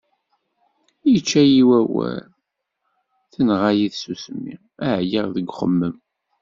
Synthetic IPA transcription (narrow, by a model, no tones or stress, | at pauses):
jit͡ʃːæjiwæwæ̰l | θənʁajiðsusəmːḭʁæʕjiʁðəɡʷχə̰mːəm